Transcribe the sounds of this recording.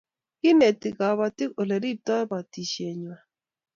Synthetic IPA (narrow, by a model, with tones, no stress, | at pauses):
ki˦nɛ˨ti˨ka˨βa˨ti˦ko˨lɛ˨ɾi˦tɔ˦ba˨ti˨ʃe˨ɲwa˨